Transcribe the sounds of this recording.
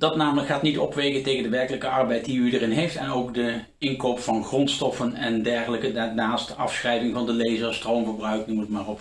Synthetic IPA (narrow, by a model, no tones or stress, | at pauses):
d̥ɑtnaːmələkχaːtnitɔpʋejkəntejɣəndəʋɛɹkələkəɑɹbɛjt̚diydəɹɪnɦejftɛnowkdə | ɪnkowpfɑnχrɔntstɔfənɛndɛɹχələkədanaːstɑfsχrɛjvɪŋvɑndəlejzəstrowmvəɹbrœɥknumətmaːrɔp